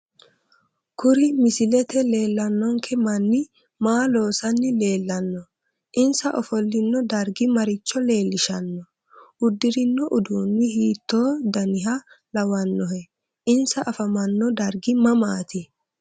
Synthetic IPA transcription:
kʊɾɪmɪsɪlɛt̪ɛle̞ːlːɐnːɔŋkʰɛmɐnːɪ | maːlo̞ːsɐnːɪle̞ːlːɐnːɔ | ʔɪnsɐʔɔfɔlːɪnːɔd̪ɐɾɡɪmɐɾɪt͡ʃːɔle̞ːlːɪʃɐnːɔ | ʔʊd̪ːɪɾɪnːɔʔʊd̪uːnːɪhiːt̪ːo̞ːd̪ɐnɪɦɐ | lɐwɐnːɔhɛ | ʔɪnsɐʔɐfɐmɐnːɔd̪ɐɾɡɪmɐmaːt̪ɪ

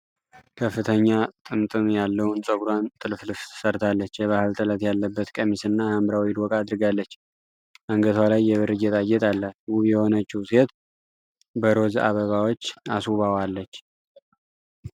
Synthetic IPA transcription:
kʰəfːɨt̪ʰəɲːat̪ʼɨmt̪ʼɨmjalːəwnsʼəɡɾwant̪ʼɨlflɨft̪ʰɨ̥səɾt̪ʰalːət͡ʃːjɛβahɨlt̪ʼɨlət̪jalːəbːət̪kʼəmisɨnːahambɾawid̪wɔkʼad̪ɾɨɡalːət͡ʃː | ʔaŋɡət̪ʰwalajːɛβɨɾɨd͡ʒɛt̪ʼajːɛt̪ʼalːəwuβjɛho̞nət͡ʃːiwset̪ | bəɾo̞za̰βəβawot͡ʃːasuβawalːət͡ʃː

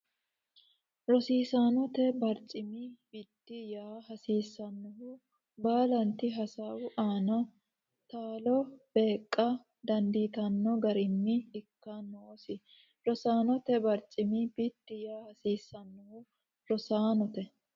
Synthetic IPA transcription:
ɾɔsiːsaːnɔt̪ɛbɐɾt͡ʃʼɪmib̥it̪ːɪjaːɦɐsiːsːɐnːɔhʊ | baːlɐnt̪ɪɦɐsaːwʊʔaːnɐ | t̪aːlɔb̥e̞ːkʼːɐ | d̪ɐnd̪iːt̪ɐnːɔɡɐɾɪnːɪɪkːanːosɪ | ɾɔsaːnɔt̪ɛbɐɾt͡ʃʼɪmibit̪ːɪjaːhɐsiːsːɐnːɔhʊ | ɾɔsaːnɔt̪ɛ

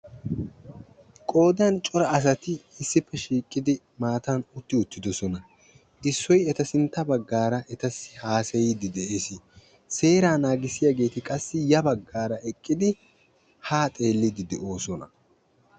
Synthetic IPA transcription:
kʼo̞ːd̪ɐnt͡ʃʼɔɾɐːs̬ɐt̪ɪɪsːɪpːɛʃiːkʼːɪd̪ɪ | maːt̪ɐnʊt̪ːɪʊt̪ːɪd̪ɔsɔnɐ | ɪsːɔjɛt̪ɐsɪnt̪ːɐbɐɡːaːɾɐʔɛt̪ɐsɪhaːsɛjɪd̪ɪd̪ɛʔe̞ːsɪ | se̞ːɾaːnaːɡɪsɪjaɡe̞ːt̪ɪkʼɐsːɪjɐbɐɡːaːɾɐʔɛkʼːɪd̪ɪ | haːt̪ʼe̞ːlːɪd̪ɪd̪ɛʔo̞ːsɔnɐ

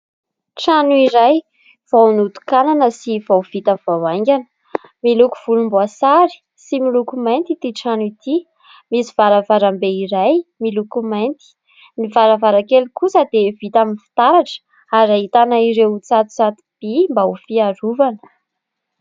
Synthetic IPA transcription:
ʈ͡ʂanuiɾaj | v̥awnut̪u̥kananəsivawv̥it̪avawaŋɡʲanə̥ | miluku̥v̥ulumbuasaɾi̥ | similukumajnt̪it̪iʈ͡ʂanuit̪i | misiv̥aɾavaɾambeiɾajmilukumajnt̪i̥ | mivaɾavaɾakelikusəd̪evit̪aminfi̥t̪aɾaʈ͡ʂə̥ | aɾaɦit̪anaiɾewut͡sat̪u̥t͡sat̪u̥b̥imbaufiaɾuvanə̥

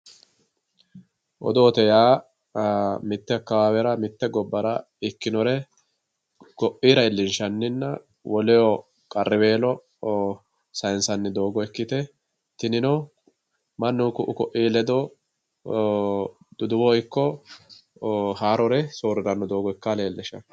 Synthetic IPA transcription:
ʔɔ̰d̪oːt̪ɛjaː | mɪt̪ːɛɐkːɐwaːwɛɾɐmɪt̪ːɛɡɔbːɐɾɐ | ɪkːɪnɔɾɛ | kɔʔiːɾɐɪlːɪnʃɐnːɪnːɐ | wɔlɛjɔ | kʼɐrːɪwe̞ːlɔ | sɐjnsɐnːɪd̪o̞ːɡɔɛkːɪt̪ɛ | t̪ɪnɪnɔ | mɐnːʊːkʊʔʊkɔʔiːlɛd̪ɔ | d̪̥ʊd̪ʊwɔɪkːɔ | haːɾɔɾɛsoːɾɪɾɐnːɔd̪o̞ːɡɔɪkːaleːlːɛʃɐ

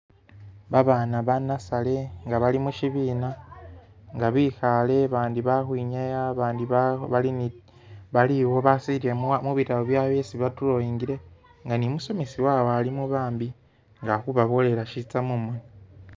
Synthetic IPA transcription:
βaβaːnaβanasale̞ŋɡaβalimuʃiβiːna | ŋɡaβixale̞βaːndiβahwiɲajaβaːndiββalin | βaliwo̞βasiɾiemuβitaβoβjaβesiβatulojiŋɡiɾe̞ | ŋɡanimuso̞mesiwawoalimuβaːmbi | ŋɡaxuβaβole̞ɾaʃit͡samumoni

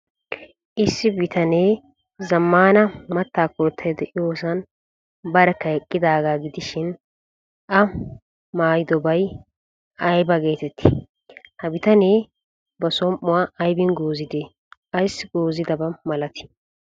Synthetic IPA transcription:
ʔɪsːɪbɪt̪ɐneː | zɐmːaːnɐmɐt̪ːaːkɔɾt̪ʰːɐjd̪ɛʔɪjoːsɐn | bɐɾɛkːɐɛkʼːɪd̪aːɡaːɡɪd̪ɪʃɪn | ʔɐ | maːjɪd̪ɔbɐj | ɐjbɐɡe̞ːt̪ɛt̪ːɪ̥ | hɐbɪt̪ɐneː | bɐsɔmʔʊwaːʔɐjbɪnɡoːzɪd̪eː | ɐjsːɪɡoːzɪd̪ɐbɐmɐlɐt̪ɪ̥

